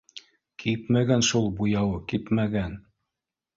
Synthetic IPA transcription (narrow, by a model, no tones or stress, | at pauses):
kʰipmæɡænʃulˠbujɑwɤkipmæɡæn